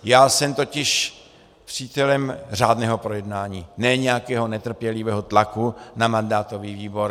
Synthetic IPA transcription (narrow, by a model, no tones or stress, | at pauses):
jaːsɛmt̪o̞cɪʃ | pr̥iːt̪ɛlɛmr̝aːdnɛːɦo̞pɾo̞jɛdnaːɲiːnɛːɲɛjakɛːɦo̞nɛt̪r̩pjɛlɪvɛɦo̞t̪lakunamandaːt̪o̞viːviːbo̞ɾ